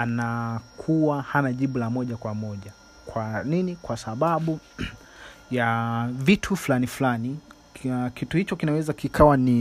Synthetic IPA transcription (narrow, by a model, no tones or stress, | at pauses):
anakʰuwahanaʄiɓulamɔʄakwamɔʄa | kwaninikwasaɓaɓu | javitʰufulanifulani | kituhit͡ʃɔkinawɛzakikʰawani